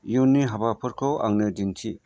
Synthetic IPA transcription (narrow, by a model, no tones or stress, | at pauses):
junːiɦabapʰɯɾkʰɔwʔa̰ŋnɯdintʰi